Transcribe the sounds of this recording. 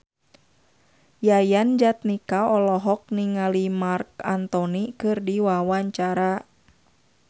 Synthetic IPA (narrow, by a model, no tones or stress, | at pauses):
jajand͡ʒat̪̚nikaɔlɔɦɔk̚niŋalimarkant̪ɔnikɨrdiwawaɲt͡ʃaɾa